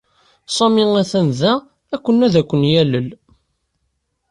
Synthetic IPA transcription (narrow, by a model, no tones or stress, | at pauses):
sˤɑmiŋæθænðæ | ækʷːənːæðækʷːənjæləl